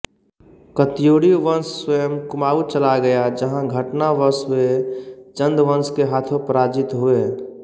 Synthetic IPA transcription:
kət̪ijoːɽioʋənsːwejəmkʊmaːut͡ʃəlaɡəjad͡ʒəɦãɡʱəʈnaʋəɾswet͡ʃə̃nd̪ʋə̃nskeɦaːt̪ʰõpɾaːd͡ʒɪt̪ɦue

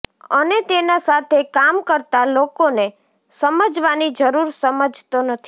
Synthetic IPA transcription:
ənet̪enasat̪ʰekamkəɾt̪alokone | səməd͡ʒʋanid͡ʒəɾuɾsəməd͡ʒʱt̪onət̪ʰi

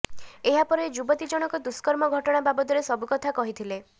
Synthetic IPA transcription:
eɦapɔɾed͡ʒubɔt̪id͡ʒɔɽ̃ɔkɔd̪uskɔɾmɔɡʱɔʈɔɽ̃ababɔd̪ɔɾesɔbukɔt̪ʰakɔɦit̪ʰile

